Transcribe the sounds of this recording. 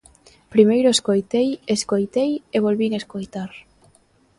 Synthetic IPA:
pɾimejɾʊeskojt̪ejeskojt̪ejeβolβiŋeskojt̪aɾ

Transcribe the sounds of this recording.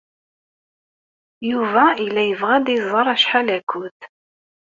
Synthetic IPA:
juvæilːæjəvʁæd̪jzˤɑɾˤæʃħalækʰʊθ

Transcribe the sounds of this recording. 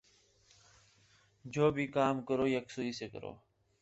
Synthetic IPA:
d͡ʑoːbʱiːkaːmkəɾoːjəksuiːseːkə̰ɾo̰ː

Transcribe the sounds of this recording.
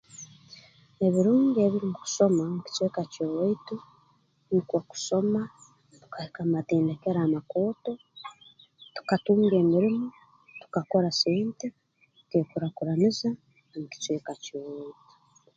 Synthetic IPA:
e̞βiɾuːɲɡe̞βiɾimuku̥so̞mamuci̥t͡swe̞ːkacoweitu | nikwaku̥so̞ma | tu̥kahekamateːndeke̞ɾaːmako̞ːto̞ | tu̥katuːŋɡe̞ːmiɾimu | tu̥kako̞ɾaseːnte̥ | kekuɾakuɾaniza | muki̥t͡sweːkacoːweitu̥

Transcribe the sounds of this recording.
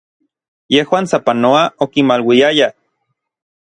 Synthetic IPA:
jehwaːnsapanoaokimalwiaja

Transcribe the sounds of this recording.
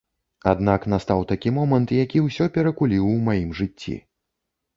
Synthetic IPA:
a̰d̪naknast̪awt̪akʲimɔmɐnt̪jakʲiwsʲɔpʲɛɾɐkulʲiwːmajimʐɨt͡st͡sʲːḭ

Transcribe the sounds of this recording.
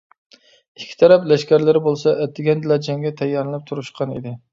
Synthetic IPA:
ikʲʰːi̥t̪ʰɛɾɛplɛʃkʲæɾlɪɾɪbolˠsɑʔɛt̪ʰːɪɡʲɛnd̪ɨlˠɑd͡ʒɛŋɡʲɛt̪ʰɛjːɑɾlɨnɪp̚t̪ʰuɾuʃqʰɑnḭd̪ɪ

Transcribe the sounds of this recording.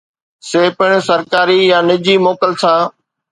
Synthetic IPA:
seːpɪɽ̃sɐɾkaːɾijãːnɪd͡ʑiːmoːkəlsãː

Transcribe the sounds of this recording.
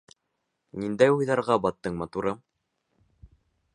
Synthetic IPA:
nind̪æjujðɑɾʁɑbɑt̪ːɤɴmɑt̪uɾɤm

